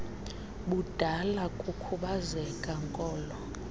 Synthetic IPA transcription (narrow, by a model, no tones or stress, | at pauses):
ɓud̥ʱalakʼukʰuɓazɛkʼaŋkʼɔːlɔ